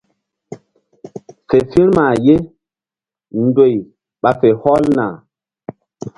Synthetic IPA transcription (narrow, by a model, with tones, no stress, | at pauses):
fe˨fi˦ɾma˨je˦ | ndo˨j | ɓa˨fe˨hɔ˦lna˨